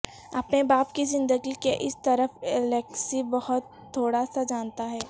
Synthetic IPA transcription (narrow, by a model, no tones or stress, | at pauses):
ɐpnebaːp̚kizɪ̃nd̪əɡikeʔɪst̪ɐɾəfɪlɛːksibɐhʊt̪ʰːoːɽasad͡ʒaːnt̪aɦɛː